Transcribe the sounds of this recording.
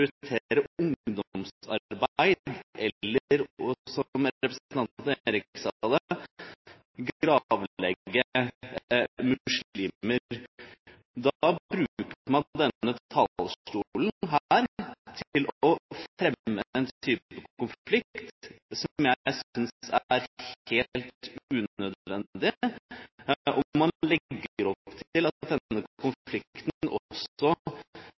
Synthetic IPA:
ɾt̪ʰeːɾəʊŋd̪ɔmsɑ̰ɾbæɪd̪d̪ɛːəɾɔsɔmɛpɾəsɑnt̪ɾɪksɑd̪ə | ɡɾɑːʋlɛɡːə | mʉsiːməɾɾ | d̪ɑbɾʉkmɑnd̪ɛnːət̪ʰɑlʂʈulnɦæːɾt̪ʰlʔɔfɾɛmːəɛnt̪ʰyːpəkkʊnflɪkt̪tsɔmjæsʏnsæɾheːlt̪ʉːnœd̪ʋɛnd̪ɪ | ʔɔmːɑnlɛɡːəɾɔpːt̪ʰɪlɑt̪̚d̪ɛnːəkʰʊnflɪkt̪n̩ʔɔ̰sɔ

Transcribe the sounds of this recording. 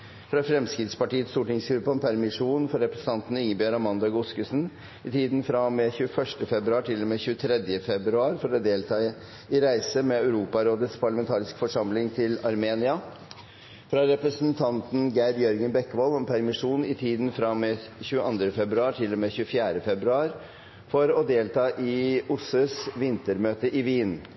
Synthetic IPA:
fɾɑfɾɛmskɾɪt̪spɑʈiːət̪st̪uːʈɪŋsɡɾʉpːəɔmpʰæɾmɪʂuːnfɔɾɛpɾəsən̩ɑnt̪n̩ɪŋːəbjøɾɑmɑnd̪ɑɡʊskʉsn | ɪt̪ʰiːd̪nfɾɑmeːçʉːəfœʂʈəfɛbɾʉɑːʈʰɪlːɔmeːçʉːət̪ʰɾɛd̪jəfɛbɾʉɑːɾfɔɾɔd̪eːlt̪ʰɑə | ɪɾæɪsəmɛœʉɾuːpɑɾoːd̪ət̪spʰɑɭmɛnt̪ʰɑːɾɪskfɔʂɑmlɪŋt̪ʰɪlɑɾmeːnɪɑ | fɾɑɾɛpɾəsənt̪ʰɑnt̪n̩ɡæɪɖjœɾɡənbɛkːʋɔlɔmpʰæɾmɪʂuːnɪt̪ʰiːd̪nfɾɑmeːçʉːəʔɑnd̪ɾəfɛbɾʉɑːʈʰɪlːɔmeːçʉːəfjæːɾəfɛbɾʉɑːɾ | fɔɾɔd̪eːlt̪ʰɑːʔɪʊsəsʋɪnt̪əɾmøːt̪əʔɪʋiːn

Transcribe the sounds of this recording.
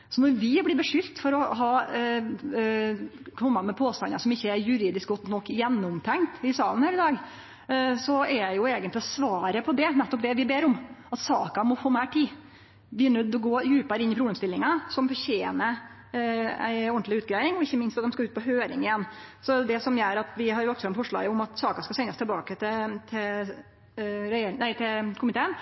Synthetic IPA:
sɔnɔɾʋɪblɪːbəʂʏlt̪fɔɾɔɦɑː | kʰɔmːɑmɛpʰoːst̪ɑ̰nɑ̰sɔmɪçːəæɾjʉɾiːd̪ɪsk̚ɡɔt̪ːnɔkːjɛnːʊmt̪ʰɛŋkt̪ɪsɑːlənhæːɾɪd̪ɑːɡ | sɔæɾæɪjʊeːɡənlɪɔsʋɑːɾəpʰɔd̪ɛnɛt̪ːɔp̚d̪ɛʋɪbeːɾɔmɑt̪sɑ̰ːkɑmɔfoːmæɪʈʰiː | ʋɪnʉd̪ɔɡoːjʉːpɑɾɪnːɪpʰɾʊb̪eːmst̪ɪlːɪŋɑsɔmfɔɾçeːnə | æ̰ɪɔnt̪lɪʉːt̪ɡɾæɪɪŋɔɪçːəmɪnst̪ɑt̪d̪ɛmskɑʉːt̪̚pʰɔɦøːɾɪŋɪjɛnːsɔd̪ɛsɔmjœɾɑt̪ʋɪɦɑɾɔksɔɛnfɔʂɭɑ̰ːɡʊmɑt̪sɑːkɑskɑsɛnɑst̪ʰɛlbɑːkət̪ʰɪt̪ʰɪ | ɾɛjeːɾnæɪt̪ʰɪkʰʊmɪt̪ʰeːən

